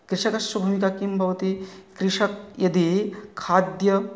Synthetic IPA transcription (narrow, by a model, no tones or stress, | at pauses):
kɾɪʂɐkɐsɐbʱuːmikakimbʱɐʋɐt̪ikɾiʂɐk̚jɐd̪ikʰaːd̪jɐ